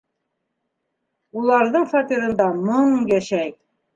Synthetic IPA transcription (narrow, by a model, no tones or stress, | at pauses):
ulˠɑɾðɤɴfat̪iɾɤ̆nd̪ɑmɤɴjæʃæk̚